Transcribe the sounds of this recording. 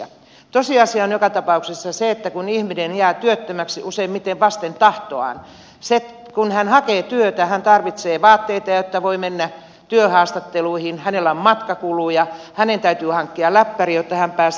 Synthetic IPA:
t̪osiɑsiɑonjokɑt̪ɑpɑuksesːɑseet̪ːækunihminenjæːt̪yøt̪ːømæksiʔuseimmit̪eʋʋɑst̪ent̪ɑht̪oɑ̰n | se | kunhænhɑkeːt̪yøt̪æhænt̪ɑrʋit̪seːʋɑːt̪ːeit̪ɑjot̪ːɑʋoimenːæ | t̪yøhɑːst̪ɑt̪ːeluihinhænelːæommɑt̪kɑkuluːjɑ | hænent̪æyt̪yːhɑŋkːiɑlæpːærijot̪ːɑhæmpæːs

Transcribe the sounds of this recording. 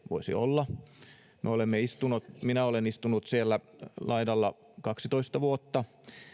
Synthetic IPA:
ʋo̰isḭolːɑ | mḛolemːeist̪unut̪minæolenist̪unut̪sielːælʔɑidɑlːɑ | kɑksit̪oist̪ɑʋuot̪ːɑ

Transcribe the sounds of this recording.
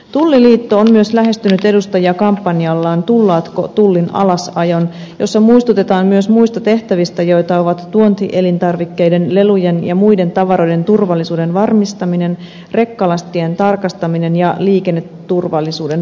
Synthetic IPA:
t̪ulːiliːt̪ːoommyøslæɦe̞st̪ynyt̪e̞dust̪ɑjiɑkɑmpːɑniɑlːɑːnt̪ulːɑːt̪kot̪ulːinɑ̰lɑsɑjon | jo̞sːɑmuist̪ut̪e̞t̪ɑːmmyøsmuist̪ɑt̪e̞ht̪æʋist̪æjo̞jt̪ɑo̞ʋɑt̪ːuont̪iʔe̞lint̪ɑrʋikːe̞jde̞nle̞luje̞njɑmujde̞nt̪ɑʋɑɾo̞jde̞nt̪urʋɑlːisuːde̞nʋɑrmist̪ɑmine̞n | re̞kːɑlɑst̪ient̪ɑrkɑst̪ɑmine̞njɑliːk̟e̞nːe̞t̪ːurʋɑlːisuːde̞n

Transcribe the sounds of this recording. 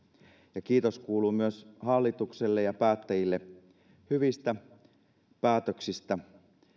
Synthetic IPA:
jɑkiːt̪oskuːluːmyøshɑlːit̪ukselːejɑpæːt̪ːæjilːe | hyʋist̪æ | pæːt̪øksist̪æ

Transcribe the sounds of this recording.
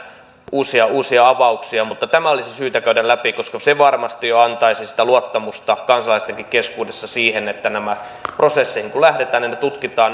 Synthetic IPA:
ʔuːsiɑuːsiɑɑʋɑuksiɑmut̪ːɑt̪æmæolisesyːt̪ækæydellæpikoskɑseʋɑrmɑst̪ijoɑnt̪ɑisisi̥t̪æluɑt̪ːɑmust̪ɑkɑnsɑlɑist̪eŋkikkeskuːdesːɑsiːhenet̪ːænæmæ | prosesːiiŋkullæhdet̪æːninet̪ut̪kit̪ɑːn

